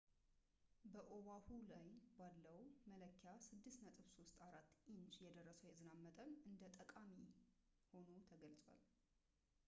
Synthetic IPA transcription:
bəʔowahulajbalːəwmələkʰːjasɨd̪ːɨst̪nət̪ʼɨβso̞st̪ʼaɾat̪ːʔint͡ʃjɛd̪ərːəsəwjɛzɨnamːət̪ʼənʔɨnd̪ət̪ʼəkʼami | ho̞nut̪ʰəɡəlt͡sʼwa̰l

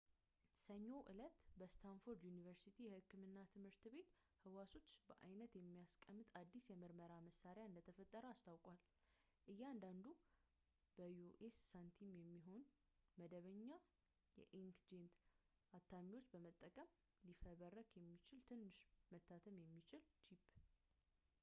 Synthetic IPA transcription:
səɲːo̞ʔɨlət̪bəst̪ʰanfoɾd̪junivəɾsit̪ʰijɛhɨkːɨmɨnːat̪ʰɨmhɨɾt̪be̞t̪ | hɨwaso̞t͡ʃːbəʔa̰jnət̪jɛmːijaskʼəmːɨt̪ad̪ːisjɛmɨɾməɾaməsːaɾejaɨnd̪ət̪ʰəfət̪ʼːəɾəast̪ʰawkʼwal | ʔɨjːɛand̪and̪u | b̥əoʔesːant̪ʰimjɛmːiɦo̞n | məd̪əβəɲːa | jɛ̰ʔiŋkd͡ʒent̪ | ʔat̪ʰːamiwo̞t͡ʃːbəmət̪ʼːəkʼəm | lifəβərːəkjɛmːit͡ʃɪlt̪ʰɨnːɨʃmət̪ʰːat̪ʰəmjɛmːit͡ʃɪlt͡ʃʰipː

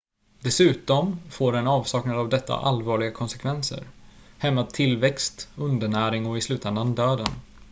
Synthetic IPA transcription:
d̪ɛsʉ̟ːt̪ɔmfoːɾɛnɑːvsɑːknad̪əavd̪ɛt̪ːa̰ʔalvɑːɭɪɡakʰɔnsɛ̥kʰvɛnsə̰ɾhɛmːat̪ʰːɪlvɛkst̪ɵnd̪əɳæːɾɪŋɔɪslʉ̟ːt̪ɛnd̪and̪øːd̪ən

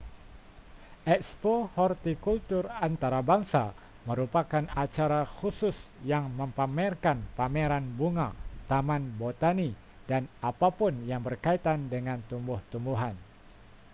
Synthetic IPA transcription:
ʔɛkspohɔrt̪ikult̪ʊrant̪aɾabaŋsa | məɾupakanat͡ʃaɾaxusʊsjaŋməmpamɛrkanpameɾanbuŋat̪amanbot̪ani | danapapʊnjaŋbərkait̪andəŋant̪umbʊht̪umbuɦan

